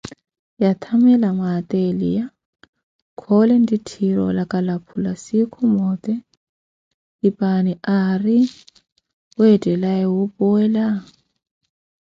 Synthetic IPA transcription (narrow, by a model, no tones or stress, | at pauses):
jat̪ʰamɛlamaːt̪ʼɛlḭja | kʰɔlɛn̩ditʰiɾɔ̰lakʼalapʰulasikʰʊmɔːt̪ʼɛ | ipʼaniari | ʊɛtʼɛlaɛwʊpʼʊɛla